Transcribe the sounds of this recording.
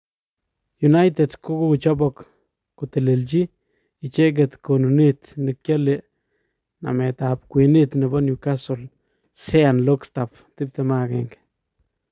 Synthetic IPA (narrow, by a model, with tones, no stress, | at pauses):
ju˨na˦jt̪ed̪ku˦ku˦kut͡ʃɔ˦bɔkː | ʊt̪e˨le˨lt͡ʃi˦ | i˨t͡ʃe˦k̬et̪ko˨nu˨ni˦t̪nɪ˨kja˦le˨ | na̰me˨t̪ap̚kwi˨ni˦t̪nɪ˨bɔ˦nju˨ka˦sʊ˨l | se˦anlo˦kst̪a˨p | t̪ɪ˦p̚t̪e˨ma˦kḛŋk